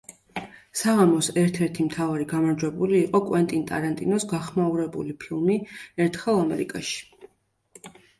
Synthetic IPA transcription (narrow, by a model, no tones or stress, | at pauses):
saʁamɔsɛɾt̪ʰɛɾt̪ʰimt̪ʰavaɾiɡamaɾd͡ʒwɛbuliːqʼɔkʼwɛnt̪ʼint̪ʼa̰ɾant̪ʼḭnɔsɡaχmauɾɛbṵlipʰilˠmiɛɾt̪ʰχɛlˠamɛɾḭkʼaʃi̥